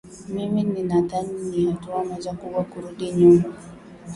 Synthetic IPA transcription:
mimininaðaɲiɲihatuamɔzakuɓwakuɾuɗiɲumu

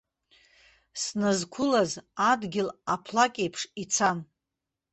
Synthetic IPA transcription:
snazkʷʰʊlazadɡʲɪlapʰlakʲʼejpʰʂit͡sʰan

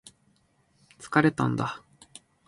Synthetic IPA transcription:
t͡sɨ̥kaɾe̞t̪ã̰nd̪a

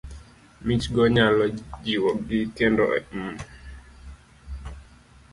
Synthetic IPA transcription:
mit͡ʃɡɔɲalɔd͡ʒiwɔkɡitjɛndɔ̰ʔɛ̰mu

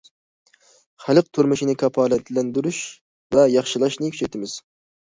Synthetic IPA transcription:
χælɨq̚t̪ʰuɾmɨʃinɨkʲʰɑpʰɑːlɛt̪ʰlɛnd̪yɾuʃ | vɛjɑχʃɨlˠɑʃnɨkʰʲy̥t͡ʃʰɛt̪ʰɪmɪz̥

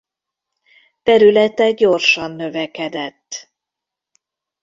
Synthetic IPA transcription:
t̪ɛɾylɛt̪ɛɡ̚ɟo̞rʃɒnːø̞vɛkɛd̪ɛt̪ː

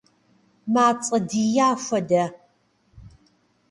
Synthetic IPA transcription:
maːt͡sʼɐdijaːfʷɐdɐ

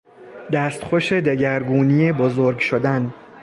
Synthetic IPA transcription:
d̪æːst̪xoʃe̞d̪eɟæɾɡuːnijebozoɾɡʃod̪æn

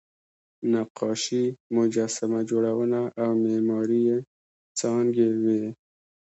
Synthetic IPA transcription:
naqɑʃimʊd͡ʒasamad͡ʒoɽawənaʔawmemɑɾije | t͡sɑŋɡewe

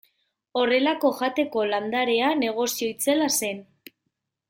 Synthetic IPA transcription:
o̞re̞lako̞ʝat̪e̞ko̞land̪aɾe̞ane̞ɣ̞o̞sio̞it͡se̞lase̞n

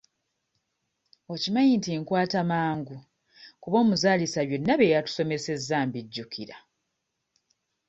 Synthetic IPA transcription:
o̞cimajintiŋkwaːtamaːŋɡu | kuβo̞ːmuzaːlisaβje̞nːaβe̞ːjatu̥so̞me̞se̞zːaːmbiɟːukiɾa

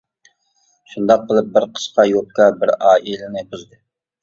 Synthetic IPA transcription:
ʃund̪ɑq̚bəlˠɨp̚bɪɾqʰə̥ʃqɑjop̚kɑbɪɾɑːʔilɪnɪbuzd̪ɨ

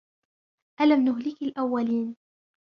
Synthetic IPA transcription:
ʔalamnʊɦlɪkalʔawːaliːn

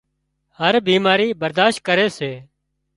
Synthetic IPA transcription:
həɾbiːmaːɾiːbəɾd̪aːʃt̪̚kəɾeːseː

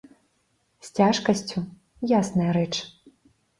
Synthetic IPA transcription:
sʲt͡sʲaʂkɐsʲt͡sʲu | jasnɐjɐɾɛt͡ʂ

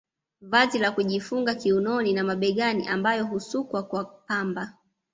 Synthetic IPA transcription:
vazilakuʄifuŋɡakiunɔninamaɓɛɠaniʔambajɔɦusukwakwapamba

